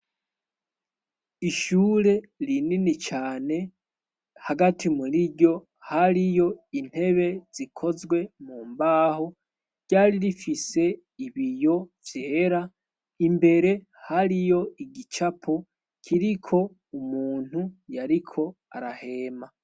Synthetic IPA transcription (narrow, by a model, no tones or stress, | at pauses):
iʃuːɾe̞ɾininit͡ʃaːne̞ | haɡatʰimuɾiɟo̞ | haɾijo̞in̥he̞βe̞z̥ikʰo̞zɡwe̞muːmbaːho | ɟ̥aːɾiɾifise̞ | iβijo̞vjeːɾa | imbe̞ɾe̞ | haɾijo̞iɡit͡ʃapʰo | kʰiɾikʰo̞ | umuːn̥hujaɾikʰo̞ | a̰ɾahe̞ːma